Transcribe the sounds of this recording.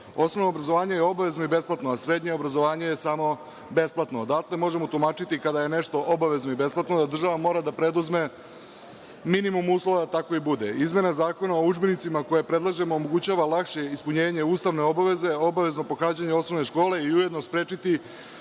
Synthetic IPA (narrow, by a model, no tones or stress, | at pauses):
o̞snoʋno̞ːbɾazoʋaːɲejeo̞baʋe̞zno̞ibe̞splat̪noasɾe̞d̪ɲe̞obɾazo̞ʋaːɲe̞jesamo̞ | be̞splˠat̪no̞d̪akle̞mo̞ʒe̞mo̞t̪umaːt͡ʃit̪ikad̪aje̞ne̞ʃt̪o̞ʔobaʋe̞znoibe̞splˠat̪nod̪ad̪r̩ʒaʋamo̞ːɾad̪apɾe̞d̪uzme̞ | minimumuːslˠo̞ʋad̪at̪ako̞ibud̪eizmʲje̞nazaːko̞nao̞ud͡ʒbenit̪simako̞jepɾe̞d̪lˠaʒe̞mo̞ːmo̞ɡut͡ɕaːʋalakʃe̞ispuɲeːɲe̞uːst̪aʋne̞o̞baʋe̞ze̞o̞baʋe̞zno̞po̞xaːd͡ʑaɲeo̞sno̞ʋne̞ʃko̞ːle̞iujed̪nospɾeːt͡ʃit̪i